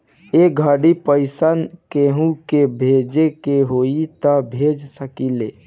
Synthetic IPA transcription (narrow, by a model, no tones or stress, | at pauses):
eɡʱəɽipəɪsənkeɦũkebʱed͡ʒekeɦoit̪əbʱed͡ʒsəkile